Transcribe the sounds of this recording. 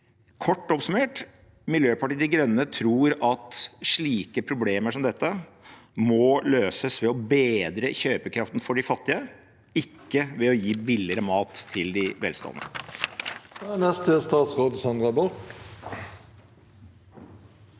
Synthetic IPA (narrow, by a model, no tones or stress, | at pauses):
kʰɔʈːɔpsʉmeːʈ | mɪljøːpɑʈiːd̪ɪɡɾœnːət̪ʰɾuːɾɑt̪ʂɭiːkəpʰɾʊbleːməʂɔmd̪ɛt̪ʰːə | mɔløːsəsʋɛɔbeːd̪ɾəçøːpəkʰɾɑft̪nfɔɖɪfɑt̪ːɪə | ɪkːəʋɛɔjiːbɪlːɪəɾəmɑːt̪ʰːɪld̪ɪʋɛ̰lst̪o̰ːnə̰ | nɛst̪əst̪ɑːt̪sʁoːd̪sɑnd̪ʁɑbɔʁk